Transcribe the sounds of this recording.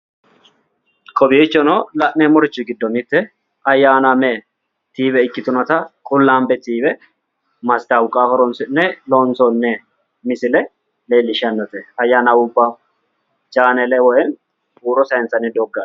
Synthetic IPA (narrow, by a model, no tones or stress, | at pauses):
kʼɔbɪɛt͡ʃːɔnɔlɐʔnɛmɔɾɪt͡ʃːɪɡɪd̪ːɔnɪt̪ːɛ | ɐjːaːnɐme | t̪iːbɛɪkːɪt̪ʊnɐt̪ɐkʼʊlːaːmbɛt̪iːbɛ | mɐst̪awʊkʼaːhɔɾɔnsɪnːɛloːnsɔnːɛ | mɪsɪlɛ | le̞ːlːɪʃɐnːɔt̪ɛɐjːaːnɐwʊbːa | d͡ʒaːnɛlɛwɔjɛn | buːɾɔsɐjɛnsɐnɪd̪ɔɡːɐ